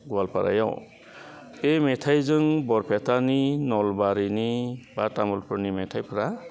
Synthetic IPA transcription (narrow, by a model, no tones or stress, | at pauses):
ɡualpʰaɾa̰jɔ̰w | emetʰajzɯŋbɔɾpʰet̪ʰaninɔlbaɾinibatamulpʰɯɾnimetʰajpʰɾa